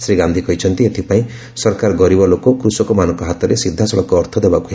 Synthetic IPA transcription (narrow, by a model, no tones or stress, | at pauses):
sɾiɡand̪ʱikɔjt͡ʃʰɔnt̪iet̪ʰipaĩ | sɔɾkaɾɡɔɾibɔlokɔkɾusɔkɔmanɔŋkɔɦat̪ɔɾesid̪ʱːasɔɭɔkɔːɾt̪ʰɔd̪ebakue